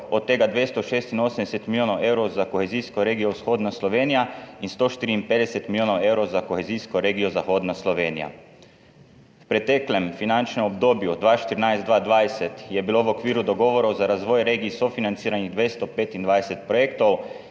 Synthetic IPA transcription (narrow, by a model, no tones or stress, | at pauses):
ot̪t̪ːeɡad̪ʋest̪oʃeːst̪inoːsmd̪ɛset̪miljoːnowewɾowzakoxeziːskoɾeːɡijowsxoːd̪nasloʋeːnijainst̪oːʃt̪iːɾiimped̪ɛset̪miljoːnowewɾowzakoxeziːskoɾeɡijozaxoːd̪nasloʋeːnḭja̰ | wpɾet̪ɛklemfinant͡ʃnemobd̪oːbjud̪ʋaːʃt̪iɾinajzt̪d̪ʋaːd̪ʋaːjset̪jɛbiloʋokʋiːɾud̪oɡoʋoɾowzaɾazʋojɾeːɡiːsofinant̪siːɾaniɣd̪ʋest̪opeːt̪ind̪ʋaːd̪eset̪̚pɾojekt̪ow